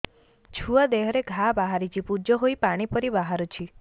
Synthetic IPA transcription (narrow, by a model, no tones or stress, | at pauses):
t͡ʃʰuad̪eɦɔɾeɡʱabaɦaɾit͡ʃʰipud͡ʒɔɦoipaɽ̃ipɔɾibaɦaɾut͡ʃʰi